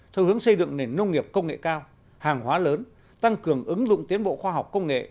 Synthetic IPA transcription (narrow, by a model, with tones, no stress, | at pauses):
t̪ʰɛ˧whɨ˨˦əŋsə˧jzɨ̰˧˨ŋne˨˩nːə˧wŋ͡mŋi˨˩əp̚kə˧wŋ͡mŋḛ˧˨kaː˧w | haː˨˩ŋhwaː˨˦ləː˨˦n | t̪a˧ŋkɨ˨˩əŋʔɨ˨˦ŋzʊ̰˧˨ŋ͡mt̪i˨˦ənɓo̰˧˨xwaː˧˩ɦa˨˩wk͡p̚kə˧wŋ͡mŋḛ˧˨